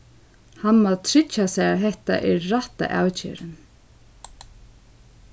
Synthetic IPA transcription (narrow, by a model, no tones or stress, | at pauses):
hanmaðt̪ʰɾɪt͡ʃːasɛɣaɦɛht̪a̰ʔɛɾːaht̪a̰ʔa̰ːwt͡ʃɪ̰ːɾɪn